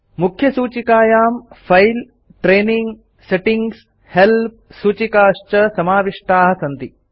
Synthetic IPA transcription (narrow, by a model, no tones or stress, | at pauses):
mukʰjɐsuːt͡ʃikaːjaːmfʰɐjl | ʈɾeːniŋɡ | seʈiŋɡs | help̚suːt͡ʃikaːʂt͡ʃɐsɐmaːʋiʂʈʰaːɦɐsɐnt̪i